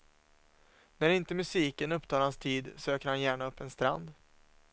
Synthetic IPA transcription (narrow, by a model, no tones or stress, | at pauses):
næɾɪnt̪əmɵsiːkənɵpːt̪ʰɑːɾhanst̪ʰiːd̪søːkəɾhanjæːɳaɵpːɛnst̪ɾa̰nd̪